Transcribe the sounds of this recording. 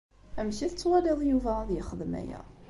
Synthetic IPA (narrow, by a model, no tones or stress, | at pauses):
æmçiθət͡sːwæliðˤjuvæðjəχəðmæ̰jæ̰